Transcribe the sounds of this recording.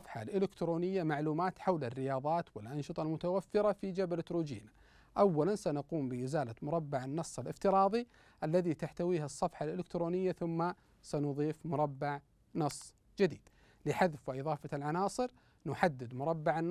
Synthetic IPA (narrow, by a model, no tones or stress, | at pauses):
ɑfħalʔɪlɪkt̪ɾoːnɪjːamaʕluːmaːt̪ħawlarːɪjɑːðˤɑːt̪wɪlʔɑnʃɨt̪ˤɑlmʊt̪awafːɪɾafid͡ʒabalt̪ɾuːd͡ʒḭːna | ʔawːalansanaquːmbɪʔɪzaːlamʊɾˤɑbːaʕanːɑsˤːɪlʔɪft̪ɪɾˤɑːðˤi | ʔalːaðit̪aħt̪awiːɦasˤːɑfħalʔɪlɪkt̪ɾoːnɪjːaθʊmːa | sanʊðˤiːfmʊɾˤɑbːaʕ | nɑsˤː | d͡ʒɪd̪iːd̪̥ | lɪħaðfwɪʔɨðˤɑːfalʕanɑːsˤɨɾ | nʊħad̪ːɪd̪mʊɾˤɑbːaʕanː